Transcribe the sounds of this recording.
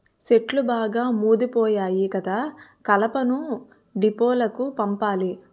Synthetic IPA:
seʈlubaːɡaːmuːd̪ipɔːjaːjikɐd̪aːkɐlɐpɐnu | ɖipɔːlɐkupɐmpaːli

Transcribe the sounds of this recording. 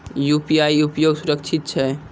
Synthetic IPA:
jupijaːiupjoːɡsuɾək̚t͡ʃʰɪt̪̚t͡ʃʰɛ

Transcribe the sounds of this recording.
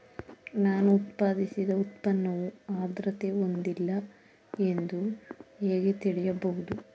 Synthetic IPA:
naːnuːt̪paːd̪isid̪ɐut̪̚pɐnːɐʋuaːd̪ɾɐt̪eo̞nd̪ilːɐ | e̞nd̪ueːɡet̪iɭijɐbɐɦud̪u

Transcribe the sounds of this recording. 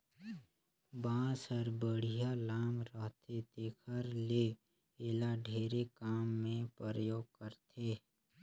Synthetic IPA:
bãːsəɾbəɽ̤ijalaːmɾəɦt̪ʰet̪eːkʰəɾle | eːlaɖʱeːɾekaːmːẽpɾəɾəjoːɡ̚kəɾt̪ʰeː

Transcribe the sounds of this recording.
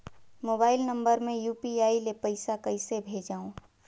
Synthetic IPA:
moːbaːɪlnə̃mbəɾmẽjuːpiaːilepəɪsakəɪsebʱeːd͡ʒaːõ

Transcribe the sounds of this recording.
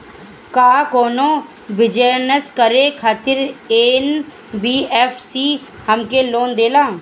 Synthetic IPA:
kaːkoːnõː | bɪd͡ʒənəskəɾeːkʰaːt̪ɪɾeːn | biːɛːpʰsiː | həmkeːloːnd̪eːlaː

